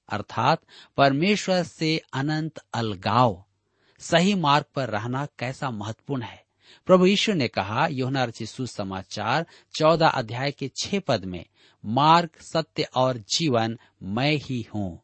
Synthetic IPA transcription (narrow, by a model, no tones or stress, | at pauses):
ɐ̰ɾt̪ʰaːt̪pɐɾmeːʃwəɾseɐnə̃nt̪ɐlɡaːʋ | sɐɦimaːɾɡ̚pɐɾːɐɦnakɛːsamɐɦət̪ːə̥puːɾɳɦɛː | pɾɐbʱujiːʃunekɐɦajoːɦənaɾɪt͡ʃisusəmaːt͡ʃaːɾ | t͡ʃɔːd̪aʔə̰d̪ʱjaːjket͡ʃʰepəd̪mḛ̃ | maːɾɡsɐt̪jəʔɔːɾd͡ʒiːʋən | mɛ̃ːhihũː